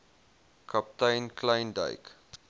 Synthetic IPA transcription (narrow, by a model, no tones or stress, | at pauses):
kʰɐp̚tɐjnklɐjndə̰jk